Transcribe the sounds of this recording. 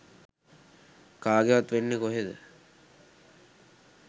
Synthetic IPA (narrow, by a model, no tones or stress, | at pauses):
kaːɡeʋat̪ʋenːekoɦed̪ə̰